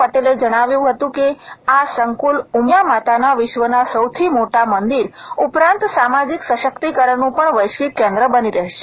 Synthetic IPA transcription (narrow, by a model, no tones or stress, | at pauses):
pəʈeled͡ʒəɽ̃aʋjũɦət̪ũkeasəŋkulumjamat̪anaʋɪʃʋənasəwt̪ʰimoʈamənd̪iɾupɾãnt̪samad͡ʒiksəʃəkt̪ikəɾənũpəɳʋəjʃkit̪̚kɛ̃nd̪ɾəbəniɾəɦʃe̥